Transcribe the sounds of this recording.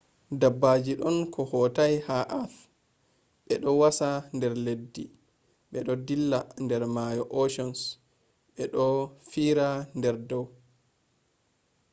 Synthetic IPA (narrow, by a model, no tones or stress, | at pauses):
dabːad͡ʒiɗɔnkʰɔhɔtajhaʔaf | ɓɛɗɔwasandɛɾledːi | ɓɛɗɔdilːandɛɾmajɔʔɔʃɔns | ɓɛɗɔfiɾandɛɾdɔw